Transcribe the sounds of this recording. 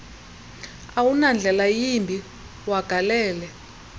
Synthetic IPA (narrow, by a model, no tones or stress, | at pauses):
awunand͡ɮʱɛlajimbʱi | waɡ̥ʱalɛːlɛ